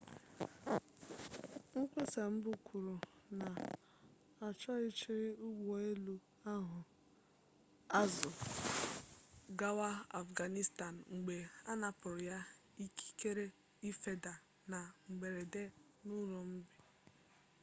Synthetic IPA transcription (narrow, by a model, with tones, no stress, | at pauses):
ŋ̩˦k͡pe˦sa˨m̩˦bʊ˨kʷʰu˨ɾu˨na˨ | a˨t͡ʃɔ˦ɪ˦t͡ʃi˦ɾɪ˦ʊ˦ɡ͡bo˨e˦lu˨ | a˦ɦʊ˨ | a˦zʊ˨ | ɡa˦wa˦a˨fɡa˨ni˦sta˨n˨ŋ͡m̩˨ɡ͡be˨a˦na˨pʊ˨ɾʊ˨ja˦i˦ki̥˦ke˦ɾe˦ | i˦fe˦da˨ | na˨ŋ͡m̩˨ɡ͡be˨ɾe˨de˦ | nu˦ɾo˨m̩˦bi˨